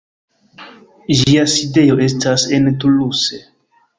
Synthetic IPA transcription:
d͡ʒiaside̞jo̞e̞stase̞ntuluse̞

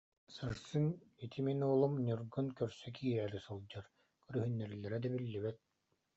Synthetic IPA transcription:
sɯɾsɯnit̪ʰiminuːlˠumɲyɾɡɯnkœɾsœk̬ʰiːɦɛːɾisɯlˠd͡ʑaɾ | kyɾyɦynːɛɾilːɛɾɛd̪ɛbilːibit̪̚

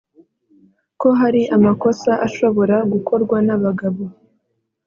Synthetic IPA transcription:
ko̞ɦaɾiʔamako̞saʔaʃo̞βo̞ɾaɡukʰo̞ɾɡwanaβaɡaβo

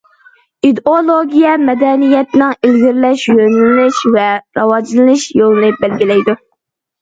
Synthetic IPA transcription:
id̪olˠoɡʲijɛmɛd̪ɛnijɛt̪nɨŋilɡʲiɾlɛʃjønlɪʃvɛɾɑwɑd͡ʒlˠɨnɨʃjolˠɨnɨbɛlɡʲilɛjd̪u

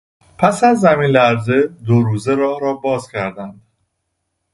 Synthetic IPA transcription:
pʰæsæzːæmiːnlæɾze̞d̪oɾuːze̞ɾɒːhɾɒːbɒːzcʰæɾd̪ænd̪̥

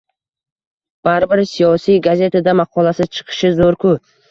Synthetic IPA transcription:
b̥aɾbɪɾsijɒsijɡaze̞t̪ʰad̪amaqʰɒlasɪt͡ʃʰɨ̥qʰɨ̥ʃɪzoɾkʰʊ

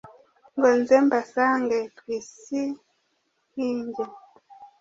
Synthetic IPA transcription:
ŋɡɔnzembasaŋɡetwisi | hiːɲɟe

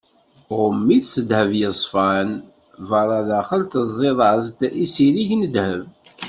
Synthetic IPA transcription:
ʁmːiθsəd̪həvjəsˤfæn | vəɾˤɑðæχəlt̪əzˤːeðˤɑzt̪isiliçnəd̪həv

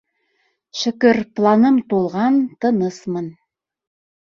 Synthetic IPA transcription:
ʃɘ̆kɘɾplˠɑnɤmt̪ulˠʁɑnt̪ɤ̆nɤsmɤn

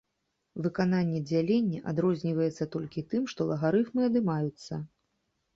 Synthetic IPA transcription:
vɨkananʲːɛd͡zʲalʲenʲːɛʔad̪ɾɔzʲnʲivɐjɛt̪sːɐt̪ɔlʲkʲit̪ɨmʂt̪ɔlˠɐɣaɾɨfmɨɐd̪ɨmajut̪sːɐ̰

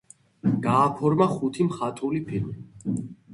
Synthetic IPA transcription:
ɡ̥aːpʰɔɾmaχut̪ʰimχat̪ʼulipʰilmi

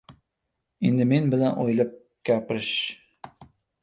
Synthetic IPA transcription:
ind̪ɘminbɪ̆lænʔojlˠɤp̚ | kʲæpɾɪʃ

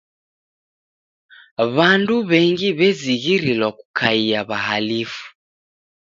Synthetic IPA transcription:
βanduβɛŋɡiβɛziɣiɾilwaku̥kʰaiaβaɦalifu̥

